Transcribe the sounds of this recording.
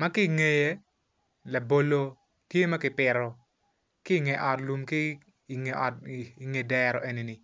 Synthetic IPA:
ma˦kɪ˦˨ŋe˨je˦ | la˨bo˨lo˦ | tje˦ma˦kɪ˨pɪ˨ɾɔ˨ | kɪː˦ŋɛ˨ʔɔ˨tlu˨mkɪ˦˨ | ŋeɔ˨ti˨ŋe˨dɛɾɔ˨ʔe˨ni˨ni˨

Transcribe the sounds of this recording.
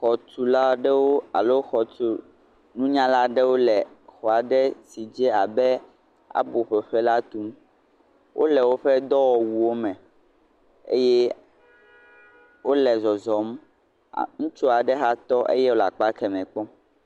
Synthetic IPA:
xɔ˨t͡ʃu˨la˦ɖɛ˦wo˦a̰˨lo˦o˦xɔ˨to˦ | nũ˦ɲã˦la˦ɖɛ˦wo˦lɛ˨ | xɔ˨a˨ɖɛ˦si˨d͡ʒɛ˦a˨bɛ˦ | a̰˦bo˨ɸɛ˨ɸɛ˦la˦t̪u˦m | wʔo̰˦lɛ˨wo˦ɸɛ˦d̪ɔ˦wɔ˨wu˨wo˦mɛ̃˨ | ḛ˦je˦ | wo˦lɛ˨zɔ˨zɔ˨m̰˨ | ŋũ˦t͡ʃo˦a˨ɖɛ˦ɦa˦t̪ɔ˦ʔḛ˦je˦wo˦la̰˨k͡pa˦kɛ˨mɛ̃˨k͡pɔ˦

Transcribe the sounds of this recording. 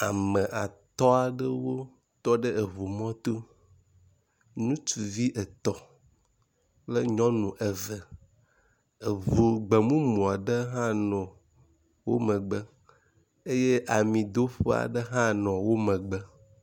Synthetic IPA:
a˨mə̃˨ʔa˨t̪ɔ˦a˨ɖə˦wo˦ | t̪ɔ˦ɖə˦e˨βo˨mɔ̃˦t̪o˦ | nũ˦t͡ʃu˨vi˦ʔɛ˨t̪ɔ˦ | lə˦ɲɔ̃˦nũ˨ʔɛ˨vɛ˨ | e˨vo˨ɡ͡bə˨mũ˦mũ˨a˨ɖə˦ɦã˦nɔ̃˨ | wo˦mə̃˨ɡ͡bə˦ | e˦je˦ʔa˨mĩ˨d̪o˦ɸe˦a̰˨ɖə˦ɦã˦nɔ̃˨wo˦mə̃˨ɡ͡bə˦

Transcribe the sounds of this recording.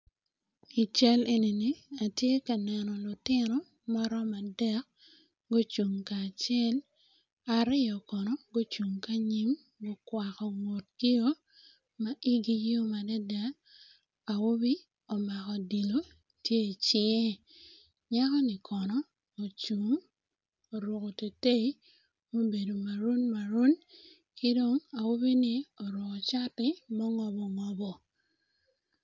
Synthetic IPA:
i˨t͡ʃa˦le˦ni˨ni˨a˨tje˦ka˨nɛ˨nɔ˨lʊ˨tɪ˦nɔ˦ | ma˦ɾɔ˦ma˨dɛ˦k̚ | ɡo˦t͡ʃu˨ŋkaː˨t͡ʃɛ˦l | a˨ɾɪ˦jɔ˨kɔ˨nɔ˨˦ɡo˦t͡ʃu˨ŋka˦ɲi˦m | ɡo˦kwa˨kɔ˨ŋo˨t̚kɪ˦o˦ | ma˦ʔi˦ɡi˦jo˦ma˨da˦da˦ | a˨wo˦bi˦ | ɔ˨ma˨kɔ˨di˨lo˦ | tje˦˨t͡ʃɪ˦ŋɛ˦ | ɲa˦kɔ˦nɪ˨kʰɔ˨nɔ˦ | o˨t͡ʃu˨ | o˨ɾo˨ko˨te˨te˦i˦ | mo˦be˨do˨ma˨ɾu˦nma˨ɾu˦n | kʰɪ˦dɔ˦ŋa˨wo˦bi˦nɪ˦ɔ˨ɾʊ˨kɔ˨t͡ʃa˦tɪ˦mɔ˦ŋɔ˨bɔ˨ŋɔ˦bɔ˨

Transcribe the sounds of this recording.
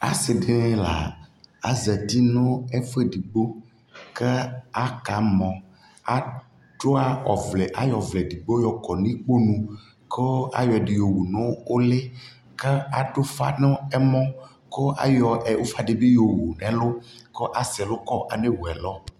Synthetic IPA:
a̰˨se˨ɖe˦nɛ˦la̰˨a̰˨zɛ˨t̪i˦no˦ɛ˦fe˦ɖi˨ɡ͡bo˦ | kɛ˦a˦ka˨mɔ̃˨ | a˦ | t̪ɾo˦a˦ɔ̰˨vlɛ˨ʔa˨jɔ˨vlɛ˨ɖi˨ɡ͡bo˦jɔ˨kɔ˨nĩ˦k͡po˦nũ˨ | ko˦a̰˦jɔ˨ɛ˨ɖe˨jo˨wu˨nõ˦o˦le˦ | ke˦a˨ɖo˦fa̰˦nɔ̃˦ɛ˦mɔ̃˦ | ko˦ʔa̰˦jɔ˨ʔɛ˨wo˦fa˦ɖe˨be˦jo˨wu˨nɛ̃˨lo˦kɔ˦ʔa˦sɛ˨lo˦kɔ˦ʔa̰˨nẽ˦wo˨ɛ˨lɔ˦

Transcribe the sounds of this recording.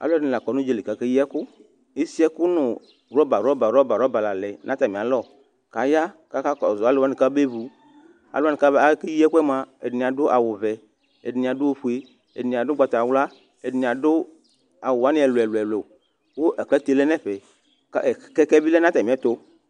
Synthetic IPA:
a̰˨lo˦ɛ˦dĩ˨la˨kɔ˨nũ˦d͡ʒe˦le˨ka˨ke˦ji˦ɛ˦ko˦ | e˦si˦ɛ˦ku˦nũ˨ | wɾɔ˦ba˨ɾɔ˦ba˨˦ɔ˦ba˨ɾɔ˦ba˨la˨lɛ˨nã˦t̪a˨mĩ˨a˨lɔ˦ | ka˨ja˦ka˦ka˦kɔ˨zɔ˨a˦le˦wa˦nĩ˨˦ka˦be˦βu˨ | a̰˨la˦nĩ˨ka˦be˦a˦ke˦ji˦ɛ˦ku˦ɛ˦mã˦e˨dĩ˨ã˨ɖo˦ʔa˨wo˨vɛ˨ | ḛ˨dnĩ˨a˨do˦wo˦ɸu˨˦e˦ | e˨nĩ˨a˨nʊ˦ɡ͡ba˨t̪a˨wla˦ | e˨dnĩ˨a˨do˦ | a˨wo˨wa˨˦nĩ˦ɛ˨lo˨ɛ˨lo˨ɛ˨lo˨ | wo˦ʔɛ˨klɛ˦t̪e˦˨le˦nɛ̃˦ɸe˨ | kkɛ˦kɛ˦bi˦lɛ˦nã˦t̪a˨mĩ˨a˦t̪o˦

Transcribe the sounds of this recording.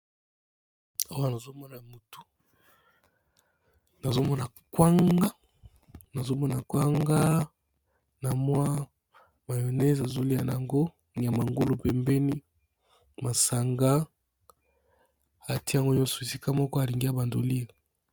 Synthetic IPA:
a˦wa˦na˨zo˦mɔ˦na˨mu˨tu̥˨ | na˨zo˦mɔ˦na˨ | kwa˦ŋɡa˦ | na˨zo˦mɔ˦na˨kwa˦ŋɡa˦ | na˨mwa˦ | ma˨jo˨nɛ˦za˨zo˦li˦a˨na˨a˨ŋɡo˦˨ | a˨ma˨ŋɡo˦lo˨pɛ˨mbɛ˦ni˦ | ma˨sa˨ŋɡa˦ | a˨ti˦a˨ŋɡo˦ɲɔ˦sɔ˨e˨si˦ka˦mɔ˦kɔ˦a˨li˨ŋɡi˦a˦˨ba˨ndo˨li˦a˨

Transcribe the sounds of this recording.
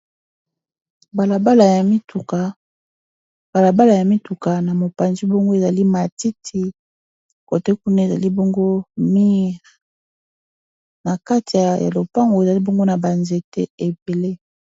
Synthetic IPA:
ba˨la˨ba˦la˨ja˨mi˦tu˨ka˨ | ba˨la˨ba˦la˨ja˨mi˦tu˨ka˨na˨mo˨pa˨nzi˦bo˦ŋɡo˦e˨za˨li˦ma˨ti˦tʰi˨ | ko˨te˦ku˦na˦˨e˨za̰˨li˦bo˦ŋɡo˦mi˦˨ | na˨ka˦tʰi˨ja˨ja̰˨lo˨pa˦ŋɡo˨e˨za˨li˦bo˦ŋɡo˦na˨ba˨nze˨tḛ˦e˨be˨le˦

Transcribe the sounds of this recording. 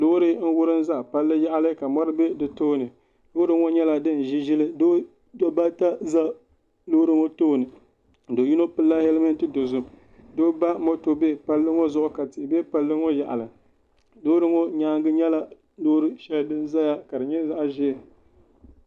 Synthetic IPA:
doː˦ɾɨ˦n̩˦wʊ˦ɾɨ˦n˦za˦ʔpa˦lːɨ˦ja˦ʔa˦lɨ˦ka˨mɔ˦ɾɨ˦bɛ˦dɨ˨toː˦nɨ˨ | lo˦ɾɨ˦ŋo˦ɲɛ˦la˨dɨ˦n˨ʒi˦ʒi˦lɨ˦do˦ | do˦ba˦ta˦za˦ | lo˦ɾɨ˦ŋo˦toː˦˨nɨ˨ | do˨ji˦no˦pɨ˦lːa˦hɛ˦lɨ˦mɨ˦n˦tɨ˦do˨zʊ˦m | do˦ba˦mo˦to˨˦bɛ˦˨pa˦lːɨ˦ŋo˦zʊ˦ʔʊ˦ka˨tɪ˨ɪ˨bɛ˦pa˦lːɨ˦ŋo˦ja˨ʔa̰˨lɨ˨ | doː˦ɾɨ˦ŋo˦ɲaː˦ŋɡɨ˦ɲɛ˦la˦ | doː˦ɾɨ˦ʃɛ˦ldɨ˦n˦za˦ja˦ka˨dɨ˨ɲɛ˦za˦ʔʒɪ˦

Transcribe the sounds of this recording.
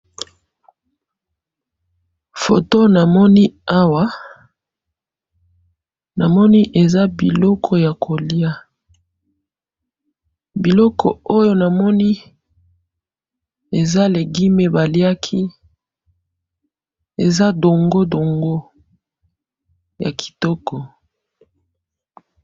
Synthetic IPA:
fo˨to˦na˨mɔ˦ni˦a˦wa˦ | na˨mɔ˦ni˦ʔe˨za˦bi˨lɔ˦kʰɔ˦ja˨kʰo˨li˦a˦ | bi˨lɔ˦kʰɔ̰˨o˦jo˦na˨mɔ˦ni˦ | e˨za˦le˨ɡi˦me˦ba˨li˦a˦kʰi˦ | e˨za˦do˨ŋɡo˦do˨ŋɡo˦ | ja̰˨ki̥˨tɔ˦kɔ˨

